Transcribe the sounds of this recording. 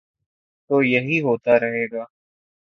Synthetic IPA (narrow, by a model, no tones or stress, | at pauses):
t̪oːjəɦiːɦoːt̪aːɾəɦeːɡaː